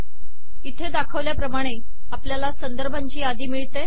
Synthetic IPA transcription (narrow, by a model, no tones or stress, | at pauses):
it̪ʰed̪akʰəʋljapɾəmaɽ̃e | apljalasənd̪əɾbʱaɲt͡ɕiːad̪ʱiːmiɭt̪e